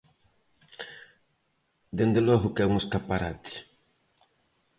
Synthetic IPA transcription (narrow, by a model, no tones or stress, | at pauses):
d̪end̪elɔɣʊkɛuŋeskapaɾat̪ɪ̥